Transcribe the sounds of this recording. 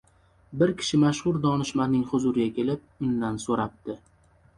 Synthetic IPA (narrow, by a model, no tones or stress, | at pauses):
bɪɾkʲʰɪ̥ʃɪmaʃhʊɾd̪ɒnɪʃmanɪŋhʊzʊɾɪɡʲakʲe̞lɪp̚ʊnd̪ansoɾap̚t̪ɪ